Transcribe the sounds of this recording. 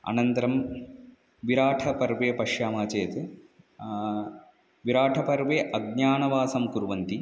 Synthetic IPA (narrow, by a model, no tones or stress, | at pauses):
ɐ̰nɐnt̪ɐɾɐm | ʋiɾaːʈʰɐpɐɾʋeːpɐʂjaːmaːt͡ʃeːt̪ɨ | ʋiɾaːʈʰɐpɐɾʋeːʔɐɡ̚ɲaːɳɐʋaːsɐmkuɾuʋɐnt̪i